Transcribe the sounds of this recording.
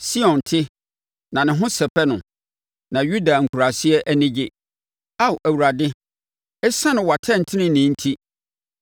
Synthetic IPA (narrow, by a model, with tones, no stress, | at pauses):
si˦ɔ̃˨ntʰɪ˦ | nã˨nɪ̃˨ɦʊ̃˦sɛ˨pʰɛ˦nʊ̃˨ | nã˨ju˦da˨ŋ̩˨kʰu˨ɾa˨sɪ˦ɛ˦ʔæ˦nɪ̃˦d͡ʑɪ˦ | a˦wʔæ˨wu˨ɾa˨dɪ˦ | ɛ˦sã˦nʊ̃˨wa˨tʰɛ̃˦˨n̩˨tʰɪ̃˦nɪ̃˦nɪ̃˨˦n̩˦tʰi˦